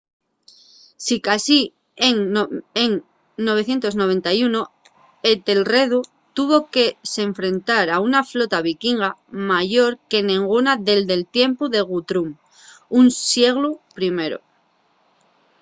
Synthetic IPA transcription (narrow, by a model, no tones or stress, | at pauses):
sikasi | eŋeŋ | no̞β̞e̞θje̞nt̪o̞zno̞β̞e̞nt̪ajuno̞ | e̞t̪elre̞ðu | t̪uβ̞o̞ke̞se̞ɱfɾe̞nt̪aɾaunaflo̞t̪aβ̞ikiŋɡamaʝo̞ɾke̞nẽŋɡunaðe̞ld̪e̞lt̪je̞mpuðe̞ɣ̞ut̪ɾum | unsje̞ɣlupɾime̞ɾo̰